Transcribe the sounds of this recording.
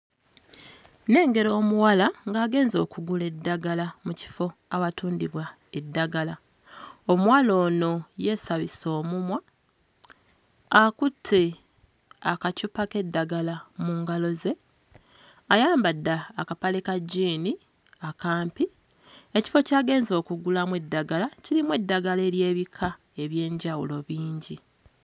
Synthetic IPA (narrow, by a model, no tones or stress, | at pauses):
ne̞ːŋɡe̞ɾo̞ːmuwalaŋɡaːɡe̞ːnzo̞ːkuɡule̞dːaɡalamuci̥fo̞aβatuːndiβwa | e̞dːaɡala | omwaːlo̞ːno̞je̞ːsaβiso̞ːmumwa | kutʰːe | akacupake̞dːaɡalamuːŋɡalo̞ze̞ | ajaːmbadːaːkapalekaɟiːni | akaːmpi | eci̥fo̞caːɡe̞ːnzo̞ːkuɡulamwe̞dːaɡalacilimwe̞dːaɡale̞ːlje̞ːβikʰa | e̞βje̞ːɲɟawulo̞βiːɲɟi